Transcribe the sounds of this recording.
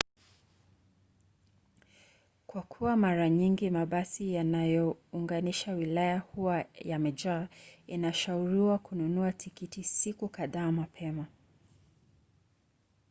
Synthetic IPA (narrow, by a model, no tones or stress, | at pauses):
kwakʰuwamaɾaɲiŋɡimaɓasijanajɔuŋɡaniʃawilajahuwajamɛd͡ʒainaʃauɾiwakununuatʰikitisikukaðaːmapʰɛma